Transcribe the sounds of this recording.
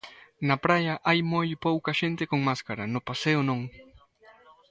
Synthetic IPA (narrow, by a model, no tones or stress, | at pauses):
napɾajaʔajmojpowkaʃent̪ekoŋmaskaɾanopaseonoŋ